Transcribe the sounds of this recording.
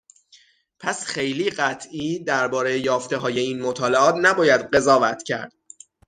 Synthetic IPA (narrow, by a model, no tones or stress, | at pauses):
pʰæsχe̞jliːɢæt̪ʰʔiːd̪æɾbɒːɾejejɒːft̪e̞ɦɒːje̞iːnmot̪ʰɒːle̞ɒːt̪næbɒːjæd̪ɢe̞zɒːvæt̪ʰcʰæ̰ɾd̪̥